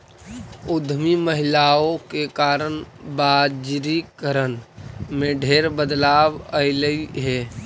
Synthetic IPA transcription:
ʊd̪ʱmiməɦɪlaːõkekaːɾənbaːd͡ʒɾikəɾənmẽɖʱeːɾbəd̪laːwəɪləiɦɛː

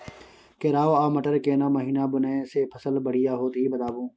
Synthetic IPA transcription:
keɾaːoaːmɐʈəɾkenamɐɦiːnabʊnãːsepʰəsəlbɐɽ̤ijaɦoːt̪ɦibɐt̪aːbũː

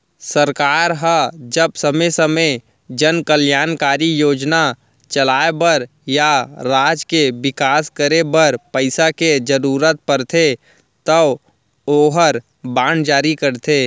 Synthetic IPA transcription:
səɾkaːɾɦəd͡ʒəbsəmesəmə | d͡ʒənkəljaːnkaːɾijoːd͡ʒna | t͡ʃɐlaːebəɾ | jaɾaːd͡ʒkebɪkaːskəɾebəɐɾpəɪsaked͡ʒəɾuːɾət̪̚pəɾt̪ʰe | t̪ə | oːɦəɾ | bãːɳd͡ʒaːɾikəɾt̪ʰeː

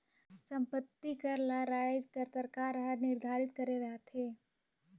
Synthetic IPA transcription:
sə̃mpət̪ːikəɾlaɾaːjd͡ʒkəɾt̪əɾkaːɾɦəɾnɪɾd̪ʱaːɾɪt̪kɐɾeɾɐɦt̪ɦeː

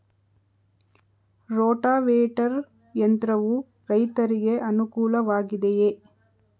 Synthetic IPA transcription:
ɾoːʈaːʋeːʈɐɾ | jɐnt̪ɾɐʋu | ɾɐjt̪ɐɾiɡe̞ʔɐnukuːlɐʋaːɡid̪eje

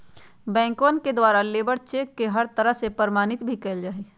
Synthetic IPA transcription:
bɛ̃ːŋkʋənked̪waːɾaleːbəɾt͡ʃeːkːeɦəɾt̪əɾəɦsepəɾmaːnɪt̪bʱikeld͡ʒaːe

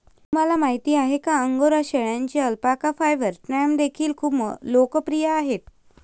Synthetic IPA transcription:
um̤alamaɦit̪iːaɦekaəŋɡoɾaɕəɭjãɲt͡ɕiəlpakafajʋəɾsɾɛmd̪ekʰiːlkʰuːpmlokəpɾijaːɦet̪

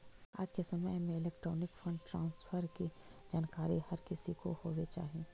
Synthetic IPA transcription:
a̰ːd͡ʒkesɐməjmẽɪleːkʈɾɔːnɪkfɐ̃ɳɖʈɾãːnsfʰəɾkid͡ʒaːnkaːɾihɐɾkɪsikohoːʋet͡ʃa̰ːɦiẽː

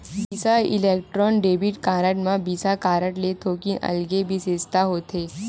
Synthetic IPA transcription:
bisaḭlek̚ʈɾɔnɖebiʈkaɾəʈmabisakaɾəʈlet̪ʰokiʔə̰lɡebʱised͡zt̪aɦot̪e

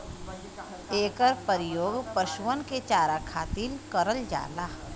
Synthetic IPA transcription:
eːkəɾpəɾɪjoːɡpəʃʊʋənket͡ʃaːɾakʰaːt̪iːlkəɾəld͡ʒa̰ːlaː

